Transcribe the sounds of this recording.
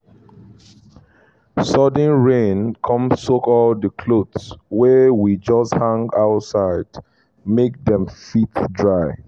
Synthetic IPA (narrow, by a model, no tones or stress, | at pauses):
sɔd̃nɹẽnkʰɔ̃msokɔldəkʰlodswɛwid͡ʒɔsthãŋɡaʊtsaɪd̥ | mek̚dɛ̃mfitdɹaɪ